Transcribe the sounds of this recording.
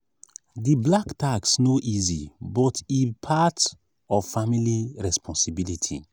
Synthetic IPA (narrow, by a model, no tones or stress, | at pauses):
diblaktaksnoʔizḭbɔtipʰat | ɔvfamiliɹɛspʰɔ̃nsibilitʰḭ